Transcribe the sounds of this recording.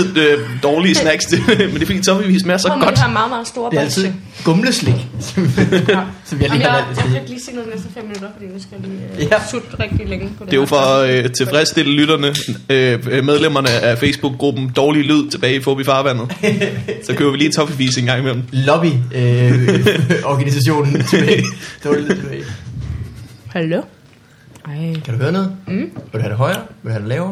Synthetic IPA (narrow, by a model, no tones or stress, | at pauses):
ð̰ˠød̥ɒːlisnæɡ̥sd̥emend̥e̝fdḭːt͡sʰɒ̽biʋḭːsmeɐsɒ̽ɡ̥ɒ̽dd̥mɑ̈ːð̩ˠmɑ̈ːð̩ˠsd̥o̝ːɐ̥æl̰t͡sʰiðe | ɡ̥ɔ̽mləsleɡ̥s | sɒmʋihɑliːæl̰d̥isi̥liːse̝̰nˠinesd̥ɐfem̰ːinud̥ɐfd̥ḭːjsɡ̥lisʰud̥ʁɛɡ̥̚d̥ileŋ̥e̝jofɒ̽øt͡sʰe̝fʁɛsd̥e̝ləlyɾ̥ɐnəømeð̞ˠlem̰ɐnəʔæfeɪsb̥uɡ̥̚ːʁub̥n̩d̥ɒːlilyð̞̰ˠt͡sʰe̝b̥ɛːɪifɔb̥ifɑ̈ːʋæn̰ð̞̩ˠsɒ̽køːʊɐʋiliːt͡sʰɒ̽fiʋḭːse̝ŋɡ̥ɑ̈ŋ̰imel̰m̩lɒb̥i | ɒɡ̥ænisæɕ̬o̝̰ːnn̩ʰeb̥ɛd̥eit͡sʰeb̥ɛ̰ː | hælo | kʰæɾuhøːɐnɔ̽ːð̩ˠʋeduhæd̥e̝ɦɒ̽ɪɐʋedhæd̥elɛːʊɐ